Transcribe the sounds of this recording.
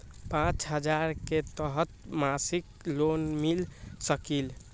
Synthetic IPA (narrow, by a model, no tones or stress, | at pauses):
pãt͡ʃɦəd͡ʒaɾket̪əɦət̪masik | lonmilsəkil